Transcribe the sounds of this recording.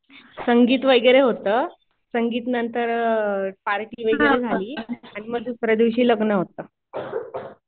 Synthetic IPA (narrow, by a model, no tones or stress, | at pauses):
səŋɡiːt̪ʋəjɡɾeɦot̪əː | səŋɡiːt̪nənt̪əɾpaɾʈiːʋəjɡɾed͡zʱaliːaɽ̃iməɡd̪ʱusɾəd̪iʋɕiːləɡnəɦot̪əː